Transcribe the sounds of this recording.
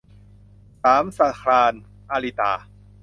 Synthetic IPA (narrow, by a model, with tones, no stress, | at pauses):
saː˩˦msa˧˩kʰɾaː˧n | ʔaː˧li˧t̪aː˧